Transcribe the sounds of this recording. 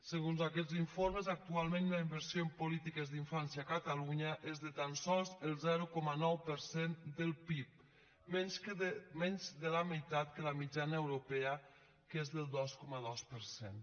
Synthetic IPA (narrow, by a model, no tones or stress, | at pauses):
səɣ̞unzakɛziɱfoɾməzak̚t̪ualˠmenləimbəɾsioempulit̪ikəzðiɱfansjaːkət̪əluɲəʔezðət̪ansɔlˠzəlˠzɛɾukɔmənɔwpəɾsend̪əlˠpip̚ | mɛɲskmɛɲzðəlaməjt̪at̪kələmid͡ʒanəewɾopɛə | kezðəlˠd̪ɔskɔməðɔspəɾsen